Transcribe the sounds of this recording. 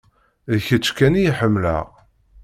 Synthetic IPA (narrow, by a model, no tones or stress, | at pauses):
ðçət͡sːkænijiħəmːlə̰ʁ